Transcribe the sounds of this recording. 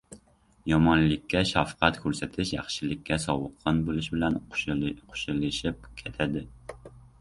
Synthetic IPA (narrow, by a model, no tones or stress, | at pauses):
jɑmɑnlɪkʲʰːɛʃɑfqʰæt̪kʲʰøɾsɛt̪ʰɪʃjɑ̰χʃilɪkʲːɛsɑwəqʰːɑnbolˠɨʃbɪlɛnqʰo̥ʃɨlˠɨʃip̚kʲʰet̪ʰɪd̪ɪ